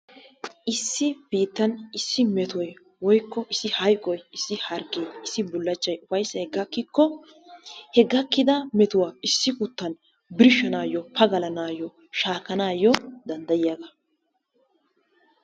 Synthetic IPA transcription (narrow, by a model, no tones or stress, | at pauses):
ʔɪsːɪb̥iːt̪ːɐnɪsːɪmɛt̪ɔj | wɔjkːɔʔɪsːɪhɐjkʼɔjɪsːɪhɐɾɡejɪsːɪbʊlːɐt͡ʃːɐjʊfɐjsːɐhɛɡːɐkːɪkːɔ | hɛɡːɐkːɪd̪ɐmɛt̪ʊwaːɪsːɪkʊt̪ːɐn | bɪɾɪʃːɐnaːjɔpʰɐɡɐlɐnaːjɔ | ʃaːkːɐnaːjɔd̪ɐnd̪ɐjɪjaɡɐ